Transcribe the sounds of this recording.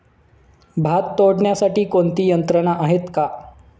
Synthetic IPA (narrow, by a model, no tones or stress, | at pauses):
bʱat̪ːoɽɳjasaʈiːkont̪iːjənt̪ɾənaʔaɦet̪ka